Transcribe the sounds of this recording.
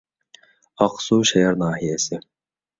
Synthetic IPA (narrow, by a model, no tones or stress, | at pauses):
ɑqsuːʃɛjɑɾnɑːhijɛsi